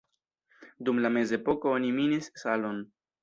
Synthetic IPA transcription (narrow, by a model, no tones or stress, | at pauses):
dumlame̞ze̞po̞kooniminissalo̞n